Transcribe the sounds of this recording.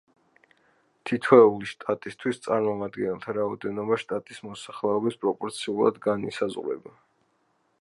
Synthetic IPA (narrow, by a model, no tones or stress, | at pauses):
t̪ʰit̪ʰwɛuliʃt̪ʼat̪ʼist̪ʰwist̪sʼaɾmɔmad̪ɡɛnɛlˠt̪ʰaɾaɔd̪ɛnɔbaʃt̪ʼat̪ʼismɔsaχlɛɔbispʼɾɔpʼɔɾt̪sʰiulˠa̰d̪ɡanḭsazʁɾɛ̰ba